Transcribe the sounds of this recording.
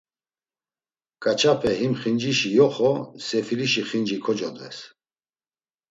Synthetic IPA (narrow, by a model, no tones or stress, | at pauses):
kʼat͡ʃʰapʰɛɦimχind͡ʒiʃijɔχɔsɛfiliʃiχind͡ʒikʰɔd͡ʒɔd̪vɛ̰s